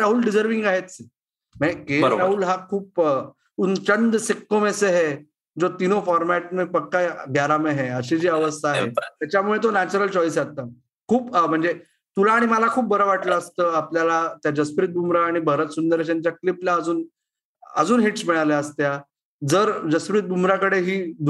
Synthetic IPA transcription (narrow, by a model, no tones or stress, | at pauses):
ɾaɦuːlɖid͡zəɾʋiŋɡaɦet̪se | mɛ̃kḛɾaɦuːlɦakʰuːp̚ | unt͡ɕənd̪sekːomeseɦe | d͡zot̪inofɔɾmæʈmepəkːaɡjaɾameɦeəɕid͡ʑiːəʋəst̪ʰaːɦḛt̪jat͡ɕjamuɭet̪̬onæt͡ɕuɾəlt͡ɕɔjs̬jat̪a | kʰuːpm̤əɳd͡ze | t̪ulaːɽ̃iməlakʰuːp̚bəɾəʋaʈləːst̪əːapljalat̪jad͡ʑəspɾiːt̪̚bumɾaːɽ̃ibʱəɾət̪sund̪əɾet͡ɕaɲt͡ɕjakliplaəd͡zuːn | ə̰d͡zuːnɦiʈsmɛɭaleəst̪ja | d͡zəɾd͡ʑəsfɾiːt̪̚bumɾakəɽeɦiː